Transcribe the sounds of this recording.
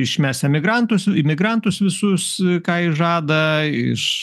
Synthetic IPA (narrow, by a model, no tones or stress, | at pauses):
ɪʃʲmʲæːsɐmʲɪɡɾɐnt̪ʊsɪmʲɪɡɾɐnt̪ʊsʋʲɪsʊskɑːɪʒɑːd̪ɐɪ̰ʃ